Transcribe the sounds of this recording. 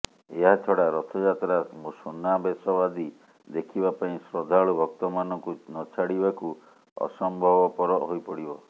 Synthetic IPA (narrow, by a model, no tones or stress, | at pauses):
eɦat̪ʰɔɽaɾɔt̪ʰɔd͡ʒat̪ɾamusunːabesɔbad̪i | d̪ekʰibapaĩsɾɔd̪ʱaɭubʱɔk̚t̪ɔmanɔŋkunɔt͡ʃʰaɽibaku | ɔ̰sɔmbʱɔbɔpɔɾɔɦojpɔɽibɔ